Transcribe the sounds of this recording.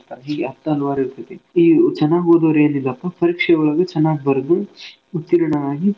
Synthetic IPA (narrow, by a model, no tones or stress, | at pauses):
aɦiːɡeɦɐt̪ːɐɦɐluʋaːɾɐiɾt̪ʰɐt̪ːeiːt͡ʃɐnːaːɡoːd̪oɾeɐnd̪ilːɐpːɐpɐɾiːkʂɐjɐuɭɐɡɐt͡ʃɐnːaːɡbɐɾɐd̪u | ut̪ːiɾɐɳɐʋaːɡi